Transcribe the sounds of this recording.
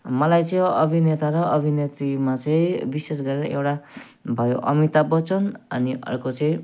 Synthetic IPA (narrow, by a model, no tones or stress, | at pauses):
mʌlajt͡sʌʌbʱinet̪aɾʌʔʌbʱinet̪rimat͡sʌĩbises̬ɡʌɾeɾʌewʈa | bʱʌjoʔʌ̰mit̪abʌt͡sʌnʌniʔʌ̰rkot͡sʌĩ